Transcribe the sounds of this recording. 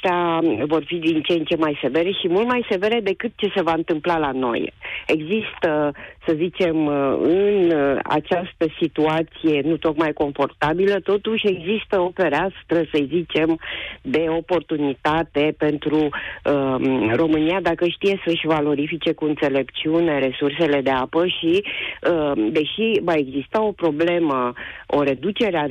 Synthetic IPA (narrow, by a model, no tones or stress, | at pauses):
t̪avo̞rfid̪int͡ʃent͡ʃe̞majse̞ve̞ɾeʃimult̪majse̞ve̞ɾe̞d̪e̞kɨt̪̚t͡ʃe̞se̞vaɨnt̪ɨmplalano̞̰je̞ɡzist̪əsəzit͡ʃe̞mɨna̰t͡ʃast̪əsit̪uat̪sije̞nut̪o̞kmajko̞ɱfo̞rt̪abilət̪o̞t̪uʃʲe̞ɡzist̪əo̞pe̞ɾast̪ɾəsəjzit͡ʃe̞md̪e̞o̞po̞rt̪unit̪at̪e̞pe̞nt̪ɾuəro̞mɨnijad̪akəʃt̪ije̞səɨʃʲvalo̞ɾifit͡ʃe̞kuɨnt̪se̞le̞pt͡ʃiune̞ɾe̞surse̞le̞d̪e̞apəʃiəd̪e̞ʃivae̞ɡzist̪ao̞pɾo̞ble̞məo̞ɾe̞d̪ut͡ʃe̞ɾea